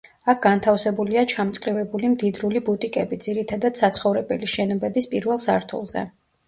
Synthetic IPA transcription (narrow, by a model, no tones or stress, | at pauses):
ak̚ʰɡ̥ant̪ʰafsɛbuliat͡ʃʰamt̪sʼqʼivɛbulimd̪id̪ɾulibut̪ʼikʼɛbid̪ziɾit̪ʰad̪ad̪̥sat̪sʰχɔvɾɛbɛliʃɛnɔbɛbispʼiɾvɛlˠsaɾt̪ʰṵlˠzɛ̰